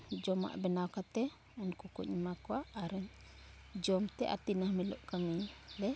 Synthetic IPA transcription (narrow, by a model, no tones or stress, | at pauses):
d͡ʒɔma̰ʔbɛnakat̪ɛ | ɔnkukɔ̰ʔɲimakɔwaʔːɾɛɲ | d͡ʒɔmt̪ɛʔa̰t̪inahmɛlɔ̰ʔkamilɛ